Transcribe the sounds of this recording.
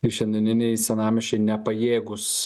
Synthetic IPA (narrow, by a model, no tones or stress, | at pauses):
ɪʃʲɛnʲd̪ʲɪnʲɪnʲɛɪsʲɛnɑːmʲɪʃʲt͡ʃʲɛɪnʲɛpɐjeːɡʊs